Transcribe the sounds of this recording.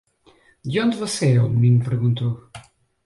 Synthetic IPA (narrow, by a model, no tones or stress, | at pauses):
d̪jõnd̪vɔseɛummĩnpɨɾɣũnt̪o